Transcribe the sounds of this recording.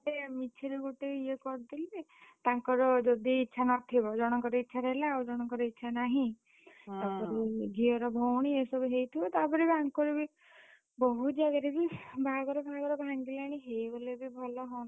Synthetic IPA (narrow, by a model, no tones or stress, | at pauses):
ɾemit͡ʃʰiɾeɡuʈeiekɔɾt̪ilet̪aŋkɔɾɔd͡ʒɔd̪iːtːʃʰanɔt̪ʰibɔd͡ʒɔɽ̃ɔŋkɔɾɔitːʃʰaɾelaud͡ʒɔɽ̃ɔŋkɔɾɔitːʃʰanaɦĩ | t̪apɔɾeɡiɔɾɔbʱowɽ̃iesɔbuɦejt̪ʰibɔt̪apɔɾebiaŋkɔɾebi | bɔɦut̪d͡ʒaɡaɾebibʱaɡɔɾɔbʱaɡɔɾɔbʱaŋɡilaɽ̃iɦejbolebibʱɔlɔɦɔn